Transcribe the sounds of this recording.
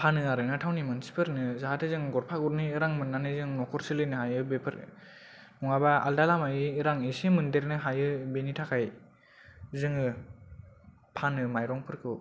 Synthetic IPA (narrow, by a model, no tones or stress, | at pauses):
pʰanɯaɾɯnatʰawnimansi̥pʰɯɾnɯzaɦatʰɯzɯŋɡɔɾpʰaɡɔɾniːɾaŋmɯnːanɯzɯŋnɔkʰɔɾsɯlɯnɯɦajɯbepʰɯɾ | nuŋabaa̰ldalamajɯːɾaŋisemɯndeɾnɯɦajɯbenitʰakʰaj | zɯŋɯ | pʰanɯmajɾɔŋpʰɯɾkʰɯ